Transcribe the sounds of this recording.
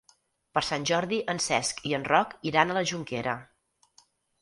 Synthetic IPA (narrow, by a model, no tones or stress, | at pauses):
pəɾsanʲʒɔɾðiʔənsɛskiənrɔkiɾanələʒuŋkeɾə̰